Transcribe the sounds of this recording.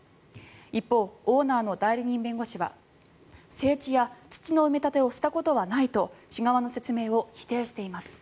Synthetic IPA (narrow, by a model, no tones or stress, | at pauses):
ipːo̞ːoːnaːno̞d̪aiɾʲiɲ̟ĩmbẽ̞ŋɡo̞ɕiβa̰ | se̞ːt͡ɕijat͡sɨ̥t͡ɕino̞ɯ̟me̞t̪at̪e̞o̞ɕi̥t̪ako̞t̪o̞βanait̪o̞ɕiɡaβano̞se̞t͡sɨme̞ːo̞çi̥t̪e̞ːɕi̥t̪e̞imasɨ̥